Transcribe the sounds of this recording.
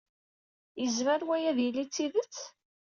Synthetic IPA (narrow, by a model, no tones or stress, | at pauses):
jəzməɾwæjæðjəlːit͡sːiðət͡sː